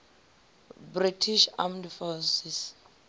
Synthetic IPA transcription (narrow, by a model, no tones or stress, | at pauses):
britʰiʃa̰mdfɔsis